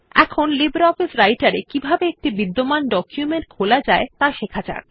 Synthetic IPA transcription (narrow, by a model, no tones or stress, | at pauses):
ɛkʰonlibeɾɔfisɾajʈaɾekibʱabeek̚ʈibid̪ːomanɖɔkjumeɳʈ̚kʰolad͡ʑaet̪aʃekʰat͡ɕa̰ɾ